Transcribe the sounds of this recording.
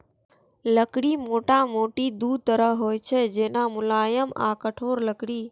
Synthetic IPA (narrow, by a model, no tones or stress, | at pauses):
ləkɽiːmoːʈaːmoːʈid̪uːd̪̚t̪əɾəɦoːjt͡ʃʰed͡ʒeːnãːmʊlaːjəma̰ːkəʈʰoːɾləkɽiː